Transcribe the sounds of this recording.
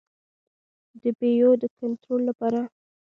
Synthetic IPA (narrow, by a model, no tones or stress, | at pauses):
d̪əbejod̪əkant̪ɾolːapɑɾa